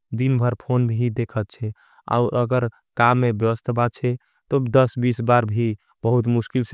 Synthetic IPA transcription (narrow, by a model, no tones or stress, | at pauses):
d̪inbʱəɾpʰonbʱid̪ekʰət̪t͡ʃʰɛ | a̰ʊɾəɡəɾ | kamːebjəwəst̪ʰbat̪̚t͡ʃʰɛ | t̪od̪əsbisbaɾbʱi | b̥əɦut̪muskils